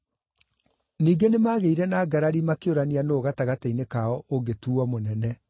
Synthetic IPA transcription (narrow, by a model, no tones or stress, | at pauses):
niːɡenemaːɣeiɾɛnaːɡaɾaɾimakeoɾanianooɣataɣatainekaɔʔoɡetuːɔmonɛnɛ